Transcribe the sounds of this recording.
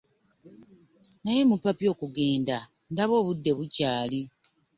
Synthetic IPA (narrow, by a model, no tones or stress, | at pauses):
naje̞mupːapio̞ːkuɡe̞ːnda | ndaβo̞ːβudːe̞βucaːli